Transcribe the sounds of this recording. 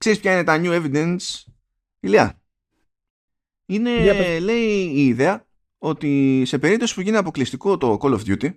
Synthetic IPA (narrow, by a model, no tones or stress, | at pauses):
kse̞ɾispçɐine̞t̪ɐɲue̞vid̪e̞ns | iliɐ̰ | ine̞le̞iːðe̞ɐ | o̞t̪ise̞pe̞ɾip̚t̪o̞si̥puʝiniɐpo̞klist̪iko̞t̪o̞ko̞lofd̪jut̪i